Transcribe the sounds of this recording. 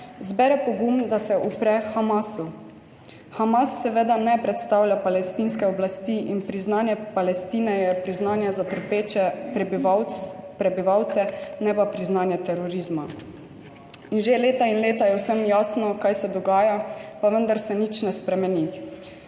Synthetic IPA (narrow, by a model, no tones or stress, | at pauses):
zbɛɾɛpɔɡumd̪asɛʔupɾɛxamasu | xamasːɛʋed̪anɛpɾɛt̪st̪aːwlʲjapalɛst̪inskɛɔblast̪iʔinpɾiznaːnjɛpalɛst̪iːnɛjɛpɾiznaːnjazat̪əɾpet͡ʃɛpbawpɾɛbiʋawt̪sɛnɛpapɾiznaːnjɛt̪ɛɾɔɾizma | inʒeleːt̪ainleːt̪ajɛwsəmjaːsnɔkajsɛd̪ɔɡaːjapaʋənd̪aɾsɛnit͡ʃnɛspɾɛmɛni